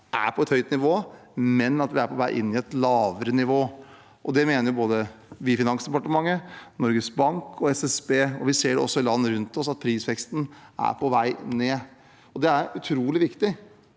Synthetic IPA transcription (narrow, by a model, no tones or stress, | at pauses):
ʔæ̰ɾpʰɔɛt̪hœʏt̪nɪʋoːmɛnɑt̪ʋɪæɾpʰɔʋæɪʔɪ̰nːɪɛt̪lɑːʋəɾənɪʋoː | ʔɔd̪ɛmeːnəɾjʊboːd̪əʋɪfɪnɑnsd̪ɛpɑʈəmɑŋːənɔɾɡəsbɑŋkʰɔɛsɛsbeːɔʋɪseːɖɛɔ̰sːɔɪlɑnːəɾʉnt̪ɔsɑt̪̚pʰɾiːsʋɛkst̪n̩æ̰ɾpʰɔʋæɪneː | ɔd̪ɛæɾʉt̪ʰɾuːlɪʋɪkt̪ɪ